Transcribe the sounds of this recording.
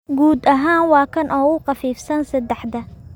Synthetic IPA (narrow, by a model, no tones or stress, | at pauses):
ɡuːd̪ɐɦaːnwɑːkʰɐnʔɔːɣʊqɑfiːfsɐnsɐd̪ɛħd̪ɐ